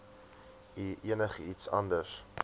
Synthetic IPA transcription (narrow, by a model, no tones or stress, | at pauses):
iʔiənəχəitsɐ̰ndəs